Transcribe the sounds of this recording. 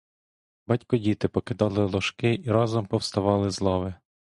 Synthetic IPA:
bɑtʲkɔdʲit̪ɪpɔkɪd̪ɑlˠɪlˠɔʃkɪʔiɾɑzɔmpɔwst̪ɐʋɑlˠɪzlˠɔʋɪ

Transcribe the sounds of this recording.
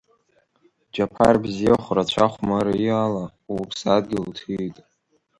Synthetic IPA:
d͡ʒapʰa̰rbzijaχʷrat͡ɕʷʰaχʷmaɾaiala | wpʰsad̚ɡʲɪltʰijtʼ

